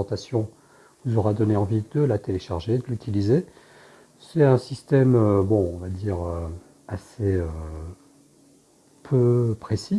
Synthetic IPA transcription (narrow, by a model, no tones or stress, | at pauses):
ɑ̃t̪asjɔ̃ | vuzɔʁad̪ɔneɑ̃vid̪̥əlat̪eleʃaʁʒed̪əlyt̪ʰilize | sɛt̪ɛ̃sist̪ɛmøbɔ̃ɔ̃vad̪iːʁø | aseø | pʰøpχesi